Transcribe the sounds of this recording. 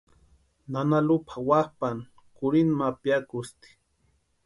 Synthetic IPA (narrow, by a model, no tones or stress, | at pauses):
nanalʊpʰawahpan | kʊɾinmapjakʊst̪i̥